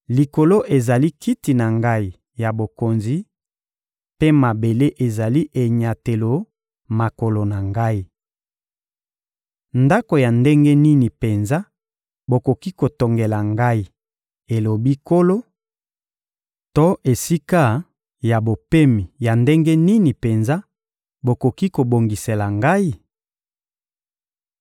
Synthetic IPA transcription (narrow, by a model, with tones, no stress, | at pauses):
li˨ko˨lo˦ʔe˨za˨li˦ki˦ti˨na˨ŋɡa˦i˨ | ja˨bo˨ko˨nzi˨ | pe˦ma˨be˨le˦ʔe˨za˨li˦ʔe˨ɲa˨te˨lo˨ | ma˨ko˨lo˨na˨ŋɡa˦i˦ | nda˦ko˨ja˨nde˦ŋɡe˦ni˦ni˨pe˨nza˦ | bo˨ko˨ki˦ko˨to˨ŋɡe˨la˨ŋɡa˦i˦ | e˨lo˨bi˦ko˦lo˦ | to˦ʔe˨si˦ka˦ | ja˨bo˨pe˦mi˨ja˨nde˦ŋɡe˦ni˦ni˨pe˨nza˦ | bo˨ko˨ki˦ko˨bo˨ŋɡi˨se˨la˨ŋɡa˦i˦